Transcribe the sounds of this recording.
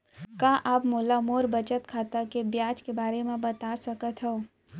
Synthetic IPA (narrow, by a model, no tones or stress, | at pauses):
kãːʔaːpmoːlamoːɾbət͡ʃət̪kʰaːt̪akebjaːd͡ʒkebaːɾemẽbɐt̪asɐkət̪ɦɛo